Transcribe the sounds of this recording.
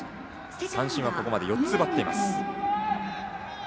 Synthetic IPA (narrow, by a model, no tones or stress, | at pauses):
sãɰ̃ɕĩβako̞ko̞mad̪e̞jo̞tt͡sɨbat̪ːe̞ima̰sɨ̥